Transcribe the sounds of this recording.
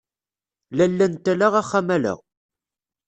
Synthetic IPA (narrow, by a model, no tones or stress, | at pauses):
lælːænt̪ælaʁæχːæmælæ̰ʁ